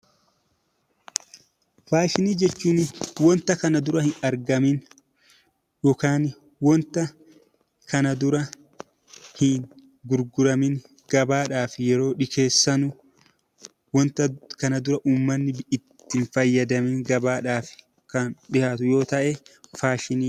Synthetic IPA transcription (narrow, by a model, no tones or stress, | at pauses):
faːʃɪniːd͡ʒɛt͡ʃːuːnwɔnt̪ɐkɐnɐd̪ʊɾɐhɪnɐɾɡɐmɪn | jɔkaːn | wɔnt̪ɐ | kʰɐnɐd̪ʊɾɐ | hɪn | ɡʊɾɡʊɾɐmɪn | ɡ̥ɐbaːᶑaːfɪjɛɾo̞ːᶑɪkʰe̞ːsːɐnʊ | wɔnt̪ɐkɐnɐd̪ʊɾɐʔuːmːɐnːɪɪt̪ːɪnfɐjːɐd̪ɐmɪŋɡɐbaːᶑaːfɪ̥ | kɐnᶑɪhaːt̪ʊjo̞ːt̪ɐʔɛfaːʃɪniː